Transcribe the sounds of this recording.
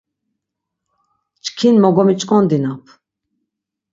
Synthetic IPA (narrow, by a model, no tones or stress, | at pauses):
t͡ʃkʰinmɔɡɔmit͡ʃʼkʼɔnd̪inapʰ